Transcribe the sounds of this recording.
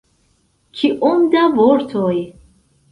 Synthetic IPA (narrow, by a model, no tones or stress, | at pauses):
kʰiʔomd̪avoɾt̪ʰoj